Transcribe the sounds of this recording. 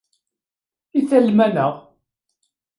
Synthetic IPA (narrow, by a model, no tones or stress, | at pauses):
iθælmænəʁ